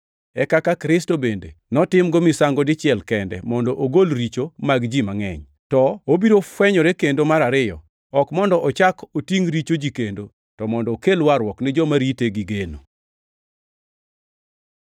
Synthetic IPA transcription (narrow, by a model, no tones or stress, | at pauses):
ɛkakakɾɪstobendḛnɔtɪmɡɔmɪsaŋɡɔdɪt͡ʃɪɛlkɛndɛ̰mɔndɔʔoɡolɾit͡ʃomaɡd͡ʒimaŋɛ̰ɲ | tɔobiɾofwɛɲɔɾekendomaɾaɾɪjɔ̰ | ɔkmɔndɔʔɔt͡ʃakotiŋɾit͡ʃod͡ʒikendo | tɔmɔndɔːkelwaɾwɔknɪd͡ʒɔmaɾiteɡiɡeno̰